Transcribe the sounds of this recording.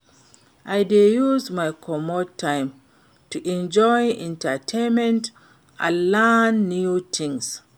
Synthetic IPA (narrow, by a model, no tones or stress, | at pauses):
ʔajdejuzmajkʰɔmɔtʰːãɪ̃m | tuʔɛ̃nd͡ʒɔjɛ̃ntətʰẽnmɛ̃nt | ʔã̰lanːutʰĩŋs